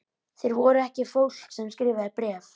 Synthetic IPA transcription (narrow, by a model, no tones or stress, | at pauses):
θejɾvɔɾʏɛhcɪfowl̥ksɛmskɾɪːvɪapɾɛːf